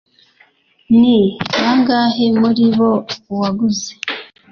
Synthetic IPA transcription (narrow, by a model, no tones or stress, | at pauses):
niβaŋɡaɦe̞muɾiβouwaɡuze